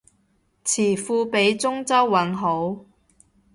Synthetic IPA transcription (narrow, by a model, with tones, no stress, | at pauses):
t͡sʰiː˨˩fuː˧pe˨˥jt͡sʊ˥ŋt͡sɐ˥wːɐ˨˥nɦo˨˥w